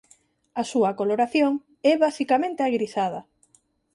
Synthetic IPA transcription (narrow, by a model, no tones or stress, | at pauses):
asuɐkoloɾaθjoŋ | ɛβasikamẽnt̪eaɣɾiθað̞ɐ